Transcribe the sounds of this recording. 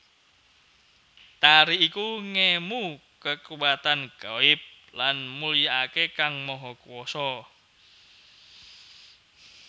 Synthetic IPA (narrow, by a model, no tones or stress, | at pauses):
t̪aɾiikuŋemu | kəkuwat̪anɡ̥aɪp̚ | lanmulijaakekaŋmɔɦɔkuwɔsɔ